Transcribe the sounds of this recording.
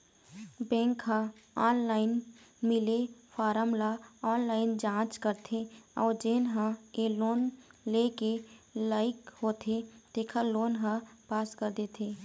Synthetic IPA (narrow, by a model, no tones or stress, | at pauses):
bɛ̃ːŋkɦaaːnlaːɪnmɪlefʰaːɾəmlaaːnlaːɪnd͡ʒãːt͡ʃkəɾt̪ʰeɔːɾd͡ʒeːnɦə̃eloːnlekelaːɪkhoːt̪ʰet̪eːkʰəloːnɦə̃paːskəɾd̪et̪ʰeː